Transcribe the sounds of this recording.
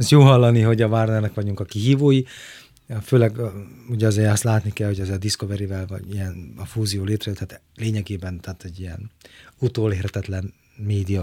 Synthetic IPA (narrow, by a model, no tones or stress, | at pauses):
sjoːɦɒlːɒniɦo̞ɟɒvarnɛrnɛkʋɒɟuŋkɒkiɦiːvoːji | føːlɛɡuɟɒzeːɾɒst̪laːt̪nikɛlho̞ɟɒzɛd̪isko̞vɛɾivɛlvɒ̰ɟiɛnɒfuːzijoːleːt̪rɛjøt̪ʰaːt̪ | leːɲɛɡeːbɛnt̪ʰaːt̪ɛɟːijɛ̰nut̪oːleːrɛt̪ɛt̪lɛn | meːd̪ijɒ